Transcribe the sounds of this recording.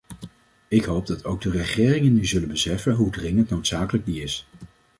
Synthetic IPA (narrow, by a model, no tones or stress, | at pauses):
ɪkɦowb̚dɑtʰowɡ̚dərəχɪːrɪŋənyzɵlənbəsɛfənɦudrɪŋəntnowtsaːkələɡ̚diɪs